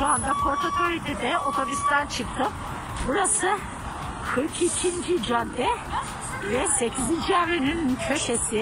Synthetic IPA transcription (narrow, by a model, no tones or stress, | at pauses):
ʃoand̪apʰo̞ɾt̪ʰak̪ʰoɾit̪ɛd̪ɛo̞t̪ʰobist̪ʰænt͡ʃʰɯk̚t̪ʰɯm | buɾasɯ | kʰɯɾkʰicʰind͡ʒid͡ʒœnd̪ɛ | vɛse̞cʰizind͡ʒiævɾenincʰø̞ʃesi